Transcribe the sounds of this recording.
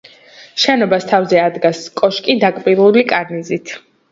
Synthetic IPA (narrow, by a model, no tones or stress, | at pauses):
ʃɛnɔbast̪ʰavzɛad̪ɡaskʼɔʃkʼid̪akʼbiɾulikʼaɾnizit̪ʰ